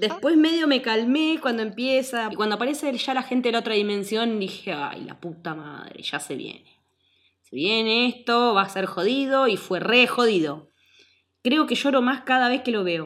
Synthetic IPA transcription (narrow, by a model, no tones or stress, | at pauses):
d̪espwezme̞ðjo̞me̞kalmekwand̪oe̞mpjesakwand̪oapaɾe̞seʒ̥alaxe̞nt̪eelao̞t̪ɾaðimẽ̞nsjo̞nd̪ixea̰jla̰put̪ama̰ðɾḛʒ̥asḛβjḛne | se̞̰βjeneest̪o̞βaseɾxo̞ðiðo̞ifwerexo̞ðiðo̞ | kɾe̞o̞ke̞ʃo̞ɾo̞maskaðaβ̞e̞hkelo̞β̞e̞o